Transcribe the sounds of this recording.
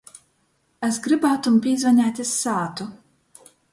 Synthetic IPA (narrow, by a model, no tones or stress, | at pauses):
ɛsɡɾɨbaːt̪umpʲiːzvanʲaːt̪ʲisːaːt̪u